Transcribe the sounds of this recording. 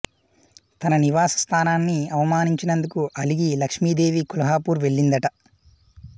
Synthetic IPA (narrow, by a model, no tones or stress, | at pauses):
t̪ɐnɐniʋaːsɐ̥st̪ʰaːnaːnːiɐʋɐmaːniɲt͡ʃinɐnd̪ukuʔɐliɡilɐkʂmiːd̪e̞ːʋikulɐɦaːpuːɾʋe̞ɭːind̪ɐʈɐ